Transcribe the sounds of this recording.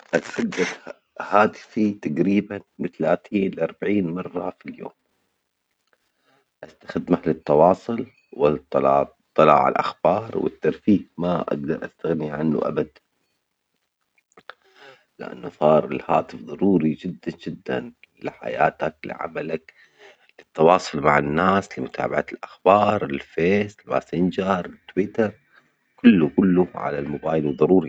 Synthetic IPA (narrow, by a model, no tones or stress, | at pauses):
ʔat̪xad̪ːad | haːt̪ɪ̥fit̪aɡɾiːbanbɪt̪alaːt̪iːnlɪʔɑɾˤbaʕiːnmɑrˤːɑfiljo̰ːm | ʔast̪ḁxɪd̪maħlɪt̪ːɑwɑːsˤʊl | wɪt̪ːlɑː | t̪ˤːɨlɑ̰ːʕa̰lʔa̰xbɑːɾˤwɪ̰t̪ːɑɾfiːfmaʔa̰ɡ̚d̪ɑɾˤʔast̪aɣniʕanːṵʔa̰bad̪ | lɪʔa̰nːʊsˤɑːɾˤɪlhaːt̪ɨfðˤɑɾˤuːɾid͡ʒɪd̪ːand͡ʒɪd̪ːa̰n | lɪħa̰ja̰ːt̪aklɪ̰ʕa̰malak | lɪt̪ːɑwɑːsˤʊlmaʕɪnːaːslɪmʊt̪ʰa̰ːbaʕalʔaxbɑːɾˤɪlfeːsɪlma̰ːsɪnd͡ʒɑɾˤɪt̪ːwiːt̪ɑɾˤ | kʊlːukʊlːuʕa̰lalmʊbaːjlwðˤɑɾˤuːɾi